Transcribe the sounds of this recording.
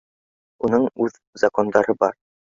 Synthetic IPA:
unɤɴʉð | zɐko̞nd̪ɑɾɤbɑ̰ɾ

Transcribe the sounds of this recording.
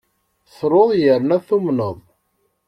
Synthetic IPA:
θɾˤoðˤjəɾnæθumnəðˤ

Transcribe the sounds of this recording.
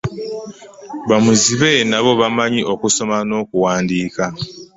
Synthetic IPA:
βamuziβenaβo̞βamaɲiʔo̞kuso̞mano̞kuwaːndiːka

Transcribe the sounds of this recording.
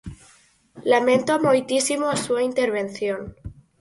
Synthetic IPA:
lamẽnt̪oamojt̪isimoasuaint̪eɾβẽnθjon

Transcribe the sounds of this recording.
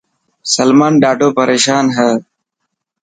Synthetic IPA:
səlmaːnɗaːɖʱoːpəɾeːʃaːnɦəː

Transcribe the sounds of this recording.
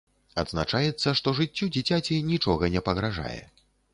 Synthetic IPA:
ad̪znat͡ʂajɛt̪sːɐʂt̪ɔʐɨt͡sʲːud͡zʲit͡sʲat͡sʲinʲit͡ʂɔɣɐnʲɛpɐɣɾaʐa̰jɛ̰

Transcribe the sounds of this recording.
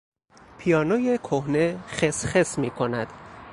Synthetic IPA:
pʰijɒːnoːjekʰohnexesχesmiːkʰonæd̪̥

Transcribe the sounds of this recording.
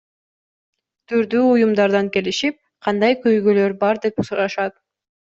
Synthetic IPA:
t̪ʰyɾd̪yːujumd̪ɑɾd̪ɑŋke̞liʃip̚ | qʰɑnd̪ɑjkøjɡøløɾbɑɾd̪e̞p̚usɾɑʃɑt̪̚

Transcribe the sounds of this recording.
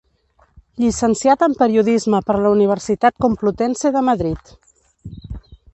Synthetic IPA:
ʎisənsjat̪əmpəɾiuðizməpəɾləuniβ̞əɾsit̪at̪̚kumplut̪ɛnseðəməðɾit̪

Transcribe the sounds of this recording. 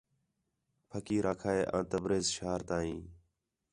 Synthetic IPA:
pʰəkiːɾʔaːkʰaːeːʔãːt̪əbɾeːzʃaːɾt̪ãːĩː

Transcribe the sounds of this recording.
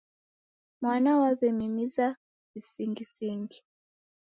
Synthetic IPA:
mwanawaβɛmimiza | visiŋɡisiŋɡi

